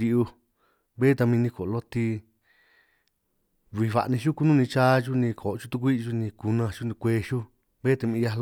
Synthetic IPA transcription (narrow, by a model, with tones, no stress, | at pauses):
i˧ʔu˧ | βe˦t̪a˧mĩ˧nĩ˧ko˨˧lo˦t̪i˧ | βi˧βa̰˨ʔnĩ˧ʃu˦ku˦nũ˦˧nĩ˧t͡ʃaː˦ʒu˦nĩ˧kʰo˨˧t͡ʃu˦t̪u˧k̬ʷi˦˧ʒu˦˧nĩ˧ku˧nã˧ʃu˦nĩ˧kʷeː˧ʃu˦ | βe˦t̪a˧mĩ˧ja˧˦lo˦